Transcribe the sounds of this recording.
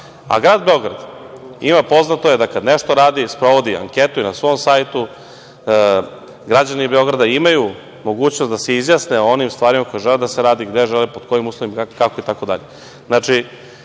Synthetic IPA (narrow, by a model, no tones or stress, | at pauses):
a̰ɡɾaːd̪be̞o̞ɡɾad̪imapo̞znat̪oje̞d̪akad̪neʃt̪o̞ɾaːd̪ispɾo̞ʋo̞d̪ia̰ŋket̪uinasʋo̞msaːjt̪u | ɡɾad͡ʑanibe̞o̞ɡɾad̪aimaju | mo̞ɡuːt͡ɕnost̪d̪aseizjasneo̞nimst̪ʋaːɾimako̞jeʒeled̪aseɾaːd̪iɡd̪e̞ʒelepod̪ko̞jimuːslˠoʋimkakoit̪ako̞d̪a̰ʎe | znat͡ʂi